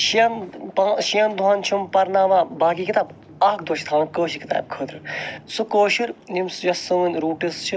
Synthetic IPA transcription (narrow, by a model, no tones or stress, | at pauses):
ʃiɐnpaːʃijɐnd̪uɦaːnt͡ʃʰumpɐɾnaːʋaːbaːkiːkit̪aːb | aːk̚d̪oːʃi̥t̪ʰaːnɐkoːʃikit̪a̰ːjb̚kʰoːd̪ɾɨsukoːʃiɾnimsjɐsɨnɨnɾuːʈist͡ʃʰi